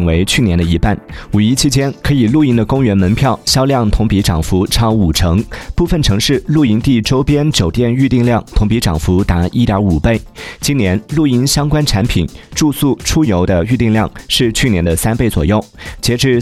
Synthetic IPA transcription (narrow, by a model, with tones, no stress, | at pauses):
ŋwe˧˥ɪt͡ɕʰy˥˩njɛ˧˥nd̪ə˧i˧˥pa˥˩nu˨˩i˥t͡ɕʰi˥t͡ɕjɛ˥nkʰɤ˧˥i˨˩lu˥˩i˥nd̪ə˧kʊ˥ŋɥɛ˧˥nmə˧˥npʰjɑ˥˩ʊɕjɑ˥ljɑ˥˩ŋt̪ʰʊ˧˥ŋpi˧˥ʈ͡ʂɑ˨˩ŋfu˧˥ʈ͡ʂʰɑ˥ʊu˨˩ʈ͡ʂʰɤ˧˥ŋpu˥˩fə˨˩nʈ͡ʂʰɤ˧˥ŋʂɻ̩˥˩lu˥˩i˥nt̪i˥˩ʈ͡ʂo˥ʊpjɛ˥nt͡ɕjo˨˩ʊt̪jɛ˥˧ny˥˧t̪i˥˧ŋljɑ˥˩ŋt̪ʰʊ˧˥ŋpi˧˥ʈ͡ʂɑ˨˩ŋfu˧˥t̪a˧˥i˥t̪jɑ˞˧˥u˨˩pe˥˩ɪt͡ɕi˥njɛ˧˥nlu˥˩i˥nɕjɑ˥ŋkwa˥nʈ͡ʂʰa˧˥npʰi˨˩˦nʈ͡ʂu˥˧su˥˩ʈ͡ʂʰu˥jo˧˥ʊd̪ə˧y˥˧t̪i˥˧ŋljɑ˥˧ŋʂɻ̩˥˧t͡ɕʰy˥˩njɛ˧˥nd̪ə˧sa˥npe˥˩ɪt͡swɔ̰˨˩jo˥˩ʊt͡ɕjɛ˧˥ʈ͡ʂɻ̩˥˧